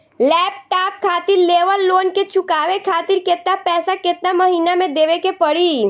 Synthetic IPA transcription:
lɛːpʈap̚kʰaːt̪iɾleʋəlːoːnket͡ʃʊkaːʋekʰaːt̪iɾket̪napɛːsaket̪̚naməɦiːnamẽd̪eʋekepəɽi

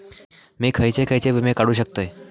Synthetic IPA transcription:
mikʰəjt͡ɕekʰəjt͡seʋəmekaɽuːɕ̬ək̚t̪əj

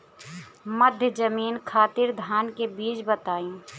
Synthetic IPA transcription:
məd̪ʱjəd͡ʒəmiːnkʰaːt̪ɪɾd̪ʱaːnkebiːt͡ʃbət̪aːĩ

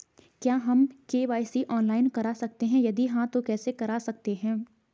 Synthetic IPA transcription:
kjaːɦɐmkeːʋaːɪsiʔɔːnlaːɪnkɐɾasɐk̚t̪eɦɛ̃jɐd̪iɦãt̪okɛːsekɐɾasɐk̚t̪eɦɛ̃ː

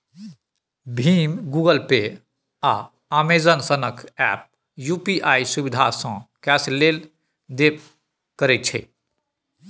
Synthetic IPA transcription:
bʱimɡuɡəlpe | a | amezənsənəkɛ̰p̚ | jupiʔaisubid̪ʱasə̃kɛslel | d̪ep | kəɾɛt̪̚t͡ʃʰɛ

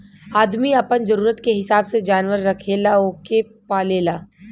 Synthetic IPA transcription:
aːd̪miɐpənzɐɾuːɾət̪keɦɪsaːbsed͡ʒaːnʋəɾːɐkʰeːlaoːke | paːleːlaː

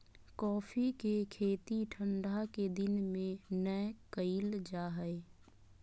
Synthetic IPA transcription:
kɔːfʰikekʰeːt̪iʈʰə̃ɳɖʱaked̪ɪnmẽnəjkəɪld͡ʒaːɦəe

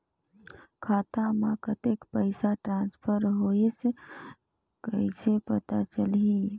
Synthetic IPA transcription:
kʰaːt̪amãkət̪eːkpəɪsaʈɾãːnspʰəɾɦoese | kəisepɐt̪at͡ʃəli

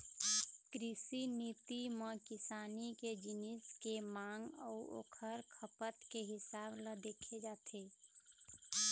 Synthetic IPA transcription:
kɾɪsiniːt̪imə̃kɪsaːniked͡ʒɪnɪskemaːŋɡɔːo̰kʰəɾkʰəpət̪keɦɪsaːbləd̪eːkʰed͡ʒaːt̪ʰeː

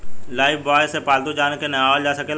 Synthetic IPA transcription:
laːɪfbɔːjsepaːld̪ud͡ʒaːnkenɐaːʋəld͡ʒaːsɐkeːl

